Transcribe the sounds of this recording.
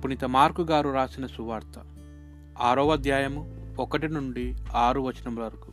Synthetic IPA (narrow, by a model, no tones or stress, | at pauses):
punit̪ɐmaːɾkuɡaːɾuɾaːsinɐsuʋaːɾt̪ɐ | aːɾoːʋɐd̪jaːjɐmuɔkɐʈinuɳɖiaːɾuʋɐt͡ʃinɐmlɐɾuku̥